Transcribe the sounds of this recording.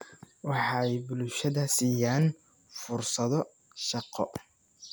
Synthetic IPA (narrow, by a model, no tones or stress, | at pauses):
wɑħɑjbʊlʃɐðɐsiːjaːn | fʊrsɐðɔ | ʃɑqɔ